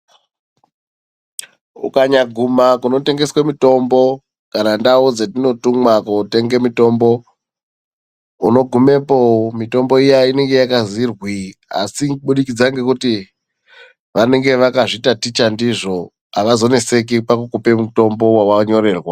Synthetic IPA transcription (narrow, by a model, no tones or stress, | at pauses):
ṵkaɲaɡʱumakuno̞te̞ŋɡe̞swemito̞mbo̞ | kanandaud͡zetino̞tumwakute̞ŋɡe̞mito̞mbo̞ | uno̞ɡʱume̞powomito̞mbo̞ijaine̞ŋɡe̞jakazirwia̰siuɓuɗikid͡zaŋɡe̞kuti | ʋane̞ŋɡe̞ʋakaʐitatit͡ʃandiʐo̞ | ɦaʋazo̞ne̞se̞k̬ipakukupe̞muto̞mbo̞wawaɲo̞re̞ːrwa